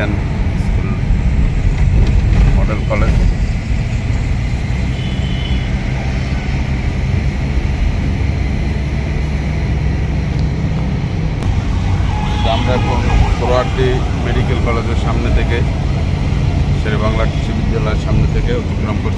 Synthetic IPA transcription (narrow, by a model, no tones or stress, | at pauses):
ɛn | skul | mɔɖelkɔled͡ʑ | tamɾaɛkʰonpoɾoaɾʈi | meɖikelkɔled͡ʑeɾʃamnet̪ʰeke | ʃeɾebaŋlaʈiʃubʱid̪ːalɔeɾʃamnet̪ʰekeot̪ikɾɔmkoɾ